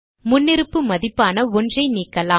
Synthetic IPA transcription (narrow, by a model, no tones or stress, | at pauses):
mʊnːɪɾɯpːɯmɐðɪpːaːnɐɔndrɐɪniːkːɐlaː